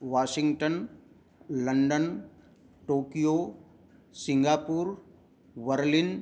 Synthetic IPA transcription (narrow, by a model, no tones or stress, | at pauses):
ʋaːʃɪ̃ŋɡʈən | ləɳɖən | ʈoːkijoː | sɪ̃ŋɡaːpuːɾ | ʋəɾlɪn